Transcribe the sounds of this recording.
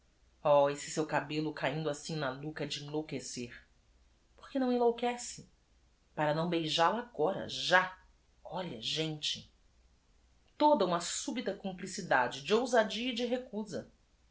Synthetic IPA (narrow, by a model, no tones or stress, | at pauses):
ɔesɪ̥sewkabelʊkaĩnd̪ʊasĩnɐlukɐd͡ʒɪẽlowkeseɾ | po̥ɾkenɐ̃w̃ĩlowkɛsɪ | paɾɐnɐ̃w̃bejʒalaaɡɔɾɐ̰ʒa | ɔʎɐʒẽnt͡ʃɪ̥ | t̪od̪ɐũmɐsubit̪ɐkõmplisid̪ad͡ʒɪd͡ʒɪowzad͡ʒiɐid͡ʒɪɦekuzɐ